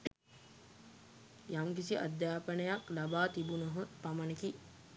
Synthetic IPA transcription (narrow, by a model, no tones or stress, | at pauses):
jaŋkisiʔa̰d̪jaːpənəjaklabaːt̪ibunəɦəpamaneki